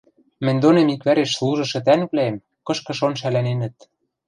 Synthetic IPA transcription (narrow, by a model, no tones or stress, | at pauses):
mɘ̆nʲd̪onemikβæɾeʃslˠuʒɤ̆ʃɤ̆t̪ænβlæem | kɤ̆ʃkɤ̆ʃonʃ̬ælænenɘ̆t̪